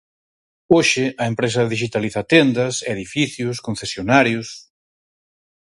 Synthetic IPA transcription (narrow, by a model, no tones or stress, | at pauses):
oʃɪɐempɾes̬ɐðiʃ̬it̪aliθɐt̪end̪ɐseðifiθjʊskõn̟θesjonaɾjʊs